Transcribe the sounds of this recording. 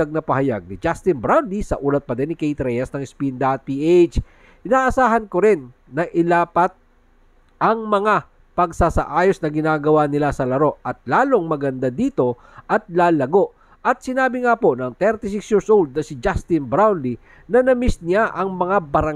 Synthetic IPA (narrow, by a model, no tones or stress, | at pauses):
aɡ̚nɐpɐhɐja̰ɡ̚nɪd͡ʒast̪ɪnbɾawnlisɐʔuːlɐt̪̚pɐd̪ɛnɪkejt̪ɾɛjɐsnɐŋɪspind̪ɐɐt̪̚piːʔejt͡ʃ | ɪnaːʔɐsaːɦɐnkoɾɪnː | ɐʔɪlaːpɐt̪̚ | ʔɐŋmɐŋa | pɐɡsasɐʔaːjosnɐɡɪnaːɡɐwanɪlasɐlɐɾo̞ʔɐt̪̚laːlo̞ŋmɐɡɐnd̪ad̪iːt̪o̞ | ʔɐt̪̚laːlɐɡo̞ʔ | ʔɐt̪̚sɪnaːbɪŋapo̞nɐŋt̪ɛɾt̪ɪs̬ɪksjiːɹsʔowld̪̚nɐsɪd͡ʒast̪ɪnbɾawnli | nɐnɐmɪsnɪaʔɐŋmɐŋabɐɾɐ